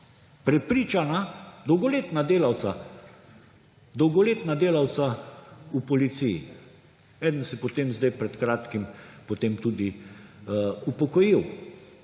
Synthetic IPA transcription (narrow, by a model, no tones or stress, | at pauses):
pɾɛpɾiːt͡ʃanad̪ɔwɡɔleːt̪nad̪eːlawt̪sa | d̪ɔwɡɔleːt̪nad̪eːlawt̪saupɔlit̪sijḭ | ɛːd̪ənsɛpɔt̪eːmzd̪ɛjpɾɛt̪kɾaːt̪kimpot̪eːmt̪ud̪i | upɔkɔjiw